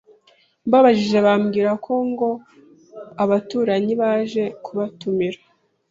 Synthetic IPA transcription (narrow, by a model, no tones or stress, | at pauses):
mbaβaʒiʒe̞βamɡiːɾakʰo̞ŋɡo̞ | aβatuːɾaɲiβaʒe̞kʰuβatumiɾḁ